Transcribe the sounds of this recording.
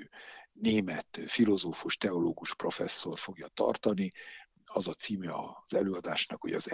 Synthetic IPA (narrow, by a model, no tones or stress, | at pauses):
neːmɛt̪filo̞zoːfuʃt̪ɛo̞loːɡuʃpro̞fɛsːo̞rfo̞ɡjɒt̪ɒ̰rt̪ɒni | ɒzɒt̪siːmjɛɒz̥ɛløːɒd̪aːʃnɒkho̞ɟɒ̰z